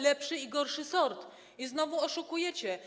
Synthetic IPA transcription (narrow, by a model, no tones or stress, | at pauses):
lɛpʂɘiɡɔɾʂɘsɔɾt̪ | iznɔvuɔʂukujɛt͡ɕɛ